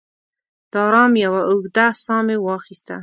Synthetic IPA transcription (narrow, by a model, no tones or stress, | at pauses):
d̪̥ɑɾɑmjawaʊɣd̪asɑmewɑxist̪a